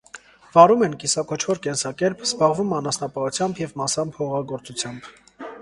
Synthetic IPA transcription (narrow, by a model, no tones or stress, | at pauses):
v̥ɑɾumɛnkisɑkɔt͡ʃʰvɔɾkɛnsɑkɛɾpʰz̥bɑʁvumɑnɑsnɑpɑut͡sʰjɑmbjɛvmɑsɑmpʰɔʁɑɡɔɾt͡sut͡sʰjɑmb